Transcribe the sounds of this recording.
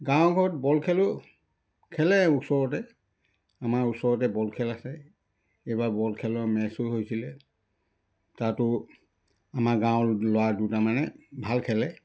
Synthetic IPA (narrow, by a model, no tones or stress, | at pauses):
ɡãwɡʱɔɹɔt̚bɔlkʰɛlɔ | kʰɛlɛusɔɹɔtɛ | amaɹuksɔɹɔt̬ɛbɔlkʰɛlasɛ | ejbaɹbɔlkʰɛlɔɹmɛsʊɦojsilɛ | tatʊ | amaɡãwlowadutamanɛbʱalkʰɛlɛ